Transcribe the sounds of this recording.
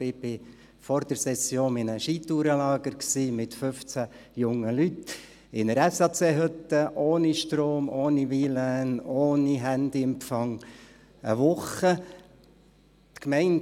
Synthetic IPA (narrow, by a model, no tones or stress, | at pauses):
ɪb̥ɪ | fɔɾdəɾsɛsjoːnɪnəʃiːt̪uːɾəlɑːɡ̥əɾksiːmɪt̪fɵft͡sæjʊŋːəlyt̪ | ɪnəɾɛsɑːt͡seːɦɵt̪ːəʔoːniʃtɾoːmoːniʋilænoːniɦænd̪iɛmfɑŋ | ə̰ʋʊχə | t̪kmɛɪn